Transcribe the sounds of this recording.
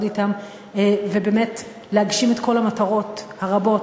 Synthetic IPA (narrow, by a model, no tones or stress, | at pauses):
ditam | ve̞bemet | leaɡʃimetko̞lamataʁo̞thaʁabo̞t